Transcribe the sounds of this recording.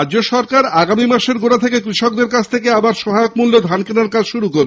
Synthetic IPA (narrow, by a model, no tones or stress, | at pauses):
ad͡ʑoʃɔɾkaɾaɡamimaʃeɾɡoɽat̪ʰekekɾiʃok̚d̪eɾkat͡ɕʰt̪ʰekeabaɾʃɔɦaeokmulːod̪ʱankenaɾkad͡ʑʃuɾukoɾbe